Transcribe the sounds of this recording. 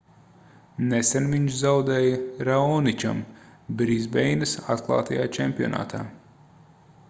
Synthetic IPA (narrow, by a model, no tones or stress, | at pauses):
nɛsɛnviɲʃzawd̪ɛːjɐɾaɔnit͡ʃʲa̰mbɾizbɛjnɨsat̪klˠa̰ːt̪ajaːt͡ʃɛmpʲiɔ̰na̰ːt̪ʰa̰ː